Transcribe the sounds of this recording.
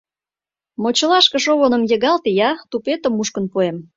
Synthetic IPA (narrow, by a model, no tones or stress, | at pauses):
mot͡ɕə̆lɑʃkə̆ʃoβonə̆mjə̆ɣɑlt̪ejɑt̪upet̪ə̆muʃkənpuem